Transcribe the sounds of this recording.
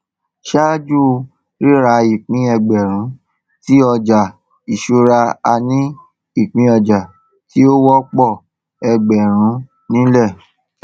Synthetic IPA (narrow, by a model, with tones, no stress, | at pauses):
ʃa˦d͡ʒu˦˨ | ɾi˦ɾa˧˦i˨k͡pĩ˨˦ɛ˧ɡ͡bɛ˨ɾ̃ũ˨˦ | ti˦ɔ˧d͡ʒa˨ | i˨ʃu˧ɾa˧a˧nĩ˦ | i˦˨k͡pĩ˧˦ɔ˧d͡ʒa˨ | ti˦o˦wɔ˦k͡pɔ˦˨ | ɛ˧ɡ͡bɛ˨ɾ̃ũ˨˦ | nĩ˦lɛ˦˨